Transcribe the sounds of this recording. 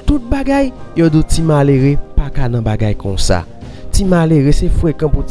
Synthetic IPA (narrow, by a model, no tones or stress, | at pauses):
t̪ut̪̚baɡajjodutimaleʁepakanãbaɡajkõ̰sa̰ | timaleʁesefwekãpu